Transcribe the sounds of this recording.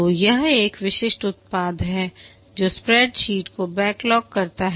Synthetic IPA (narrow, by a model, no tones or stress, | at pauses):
ojɐɦeːkʋɪʃɪʃʈʊt̪̚paːd̪ʱɦɛ | d͡ʒoːspɾɛːɖʃiːʈkobɛːklɔːkːɐɾt̪aɦ